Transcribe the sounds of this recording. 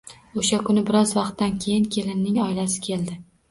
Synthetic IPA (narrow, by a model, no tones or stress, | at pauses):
oʃakʰʊnɪbɪɾɒzvɑqt̪ːankʲʰejɪnkʲʰe̞lɪnːɪŋɒɪlasɪ̥kʲʰe̞ld̪ɪ